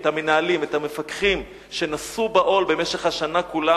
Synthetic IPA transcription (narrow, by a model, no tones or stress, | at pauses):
tamenaːlimethamefakχim | ʃe̞nasubaʔo̞lbe̞meʃeχhaʃanakula